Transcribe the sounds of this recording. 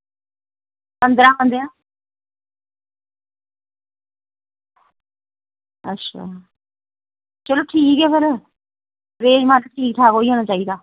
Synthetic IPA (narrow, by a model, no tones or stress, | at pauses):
pə̃nd̪ɾãːə̃nd̪eãː | ə̰tːʃʰa̰ː | t͡ʃəloːʈʰiːkɛːkəɾ | ɾeːmãːt̪əʈʰiːk̚t̪ʰaːkoːiːɦoːɽ̃aːt͡ʃaːid̪aː